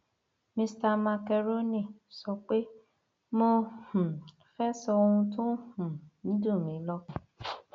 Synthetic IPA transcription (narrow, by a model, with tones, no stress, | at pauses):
mĩ˧sta˧mã˧kɛ˧ɾo˦nĩ˦˨sɔ˧k͡pe˦ | mõ˧hũ˨ | fɛ˦sɔ˧o˧ũ˧tũ˦hũ˨nĩ˨˦do˦˨mĩ˨˦lɔ˧˦